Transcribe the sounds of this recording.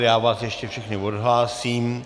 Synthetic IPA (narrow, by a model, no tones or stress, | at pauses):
jaːvaːsjɛʃcɛfʃɛxnɪodɦlaːsiːm